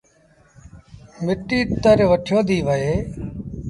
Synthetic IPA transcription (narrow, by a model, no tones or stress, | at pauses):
mɪʈiːt̪əɾʋəʈʰjoːd̪iːʋəɦeː